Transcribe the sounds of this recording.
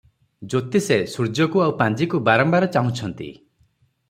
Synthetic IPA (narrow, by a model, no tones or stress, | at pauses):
d͡ʒot̪isesuɾd͡ʒɔkuawpãnd͡ʒikubaɾɔmbaɾɔt͡ʃaɦũt͡ʃʰɔnt̪ḭ